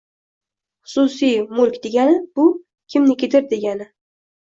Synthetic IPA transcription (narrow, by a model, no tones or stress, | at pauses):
χʊ̥susijmʊlkʲd̪e̞ɡʲanɪbʊ | kʲʰɪmnɪkʲʰet̪ʰɪɾd̪e̞ɡʲanɪ